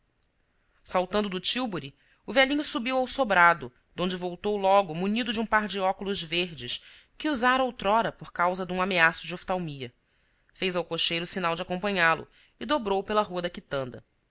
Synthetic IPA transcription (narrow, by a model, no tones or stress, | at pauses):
sawt̪ɐ̃nd̪ʊd̪ʊt͡ʃiwboɾi | ʊvɛlĩɲʊsubiwawsobɾad̪ʊ | d̪õd͡ʒɪvowt̪owlɔɡʊmuɲid̪ʊd͡ʒɪũpaɾd͡ʒɪɔkʊlʊzveɾd͡ʒɪs | kɪuzaɾɐowt̪ɾɔɾɐpoɾkawzɐd̪ũameasʊd͡ʒɪoft̪awmiɐ | fejzawkoʃejɾʊsinawd͡ʒɪakõmpɐ̃ɲalʊ̰ | ɪd̪obɾowpelɐɦuɐd̪ɐkit̪ɐ̃nd̪ɐ̰